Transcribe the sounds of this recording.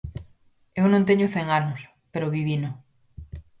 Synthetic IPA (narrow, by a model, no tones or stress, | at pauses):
ewnõnt̪̬eɲoθeŋanos | peɾoβiβino